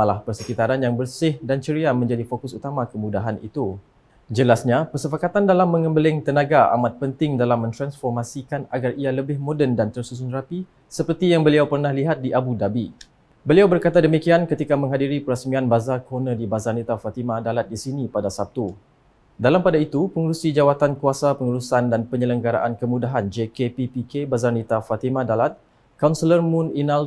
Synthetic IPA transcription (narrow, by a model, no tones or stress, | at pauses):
alahpərsəkit̪aɾanjaŋbərsɪhdant͡ʃəɾiamə̃ɲd͡ʒadifokʊsut̪amãkəmudaɦanḭt̪u | d͡ʒəlasɲapərsəpakat̪andalamːə̃ŋəmbəlɪŋt̪ənaɡaa̰mat̪̚pənt̪ɪŋdalamːə̃nt̪ɾansfɔrmasikanaɡarialəbɪhmodɛndant̪ərsus̬unrapi | səpərt̪ijaŋbəliawpərnahliɦat̪̚diʔabudabi | bəliawbərkat̪adəmikiankət̪ikamə̃ŋɦadiɾipəɾəsmianbazarkonə̃dibazarnit̪afat̪imãdalat̪̚disinipadasap̚t̪u | dalampadait̪upəŋuɾusid͡ʒawat̪ankuasapəŋuɾusandanpəɲələŋɡaɾa̰ʔankəmũdaɦand͡ʒekepipikebazarnit̪afat̪imãdalat̪̚ | kawnsələrmũninal